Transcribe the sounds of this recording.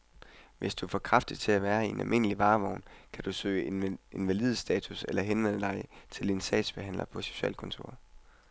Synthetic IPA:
ʋʔe̝sd̥ufɒkʰʁɑfd̥ið̥ˠt͡sʰe̝æʋæːɐienʔælme̝nəliʋɑ̈ːʋɒʊnkʰæd̥usø̰ːɪe̝nʋælið̞ˠəsd̥ɛːt͡sʰuselɐɦenʋen̰əd̥ɑ̈ɪt͡sʰe̝le̝nsd̥ɛ̰ːd̥sb̥eɦæn̰lʔɐpʰɒ̽se̝̥ɕuɛ̰ːlkʰɔ̽nt͡sʰo̝ɐ̰

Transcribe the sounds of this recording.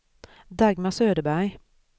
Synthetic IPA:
d̪ɑɡmɑsøːd̪əbæ

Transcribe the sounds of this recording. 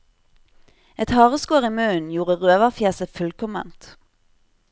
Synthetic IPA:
ɛt̪hɑːʁəskoːʁiːmøːn̩juːʁəʁøːʋɑʁfjæːsəfʉlkʰɔmə̰nt̪

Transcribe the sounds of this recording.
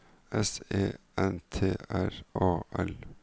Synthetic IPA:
ɛseːʔɛnt̪ʰeːʔæɾɑːʔɛl

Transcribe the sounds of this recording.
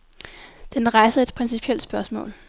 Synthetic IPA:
d̥enʁɑ̈ɪsəed̥pʰʁɛnsipʰiel̰d̥sb̥ɶɐsmɔ̰̽ːl

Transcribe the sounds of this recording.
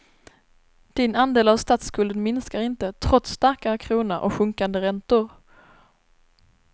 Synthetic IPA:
d̪̥ɪnand̪eːlavst̪aːt̪skɵld̪ənmɪnskaɾɪnt̪ət̪ʰɾɔt̪st̪aɾkakʰɾuːnəɾʔɔ̰kɧɵŋkand̪əɾɛnt̪ʊɾ

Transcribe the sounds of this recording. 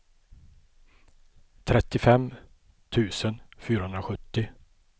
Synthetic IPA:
t̪ʰɾɛt̪ːɪfɛm | t̪ʰʉ̟ːsənfyːɾahɵnd̪ɾaɧɵt̪ːɪ

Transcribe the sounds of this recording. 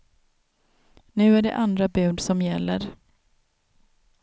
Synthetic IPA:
nʉ̟ːæɖɛ̰ʔand̪ɾabʉ̟ːd̪sɔmjɛlːəɾ

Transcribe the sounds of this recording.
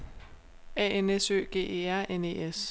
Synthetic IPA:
ɛ̰ːenesø̰ːɡ̥e̝̰ːe̝̰ːæɐ̰ene̝̰ːes

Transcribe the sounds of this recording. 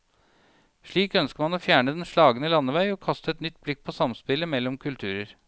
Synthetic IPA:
ʂɭiːkœnskəɾmɑnoːfjæːɳəd̪ɛnʂɭɑːɡənəlɑnːəʋæɪɔkʰɑst̪əɛt̪nʏt̪̚ːblɪk̚pʰɔsɑmspɪləmɛlːɔmkʰʉlt̪ʰʉːɾəɾ

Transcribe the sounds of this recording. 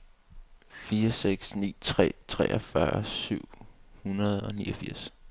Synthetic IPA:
fiːɐseɡ̥snḭːt͡sʰʁɛ̰ːt͡sʰʁɛ̰ːʔɒfɶɐsyʊ̰hunɐð̞ˠɒ̽niːɒfiɐ̰s

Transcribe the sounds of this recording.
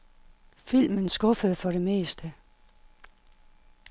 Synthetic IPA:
fil̰mənsɡ̥ɔ̽fəð̞̩ˠfɒ̽ɾe̝me̝̰ːsd̥ə

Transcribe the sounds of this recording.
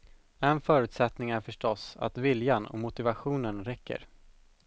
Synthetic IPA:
ɛnfœːɾʉ̟ːt̪sɛt̪nɪŋæɾfœʂʈɔsa̰t̪vɪljanɔ̰mʊt̪ɪvaɧuːnənɾɛkʰːə̰ɾ

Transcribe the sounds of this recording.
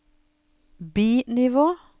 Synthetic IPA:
biːnɪʋoː

